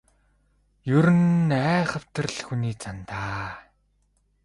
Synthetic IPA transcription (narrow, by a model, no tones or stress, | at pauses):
jɵɾɘ̆næːχə̆w̥t̪ə̆rɮxuniːt͡sʰant̪aː